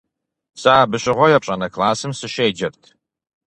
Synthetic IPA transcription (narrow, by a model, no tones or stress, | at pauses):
saːbɨɕɪʁʷɔjɛpɕʼɐnɐkʰlaːsɨmsɨɕeːd͡ʒɐrtʰ